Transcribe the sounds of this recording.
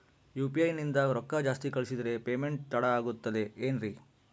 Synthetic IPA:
juːpiɐjnind̪ɐɾɔkːɐd͡ʒaːst̪ikɐɭisid̪ɐɾe̞peːmeɳʈt̪ɐɽɐaːɡut̪ːɐd̪e̞eːnɾi

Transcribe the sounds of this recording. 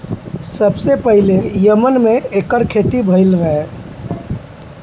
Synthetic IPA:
səbsepəɦilejəmənmeekəɾkʰet̪ibʱəɪlɾəɦe

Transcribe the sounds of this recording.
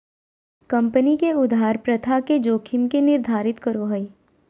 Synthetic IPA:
kɐ̃mpənikeʊd̪ʱaːɾpɾɐt̪ʰaked͡ʒoːkʰɪmkenɪɾd̪ʱaːɾɪt̪kəɾoɦəi

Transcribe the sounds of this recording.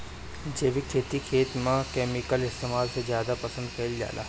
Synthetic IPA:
d͡ʒeːʋɪkʰːeːt̪ikʰeːt̪mãkɛːmɪkəlɪst̪eːmaːlsezjaːd̪apɐsə̃nd̪̚pʰɛːld͡ʒa̰ːla̰

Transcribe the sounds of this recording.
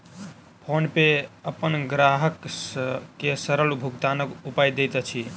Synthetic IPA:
pʰonpeəpənɡɾaɦəksːesəɾəlbʱuɡt̪anəkupajd̪et̪ət͡ʃʰi

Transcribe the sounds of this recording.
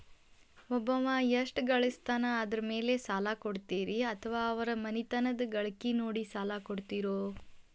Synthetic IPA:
ɔbɐmaːjɐʂʈɡɐɭist̪aːnɐːd̪ɐɾɐme̞ːlesaːlaːkoɽt̪iːɾiɐt̪ʰɐʋaːɐʋɐɾɐmɐnit̪ɐnɐd̪ɐɡɐɭɐkːinoːɽisaːlaːkoɽt̪iɾoː

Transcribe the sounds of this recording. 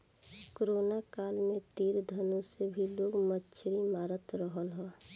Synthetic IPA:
koɾonakaːlmet̪iːɾd̪ʱənõsebʱiloːɡmətːʃʰɾimaːɾət̪ɾəɦəlɦɛ̃ː

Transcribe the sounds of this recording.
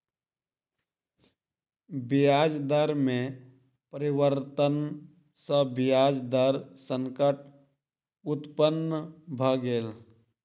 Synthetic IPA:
bijaːd͡ʒd̪əɾmẽ | pəɾɪwəɾt̪ən | səbɪjaːd͡ʒd̪əɾsə̃ŋkəʈ | ʊt̪pənːəbʱəɡeːl

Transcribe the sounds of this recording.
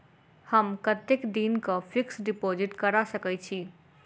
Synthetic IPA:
həmkət̪ekd̪inkopʰiksɖipod͡ʒɪʈkəɾasəkɛt͡ʃʰi

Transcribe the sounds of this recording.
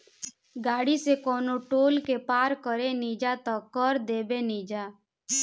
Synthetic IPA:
ɡaːɽisekɔːnoʈoːlkepaːɾkəɾeniːd͡ʒat̪əkəɾd̪eːbeniːd͡ʒaː

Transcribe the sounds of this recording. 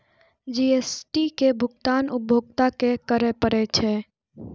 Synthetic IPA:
d͡ʒiːeːsʈikebʱʊkt̪aːnʊbʱoːɡt̪akekəɾepəɾet͡ʃʰe

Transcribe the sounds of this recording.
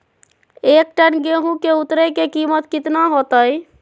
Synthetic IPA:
ek̚ʈənɡeɦũkeut̪ɾekekimət̪kit̪naɦot̪əj

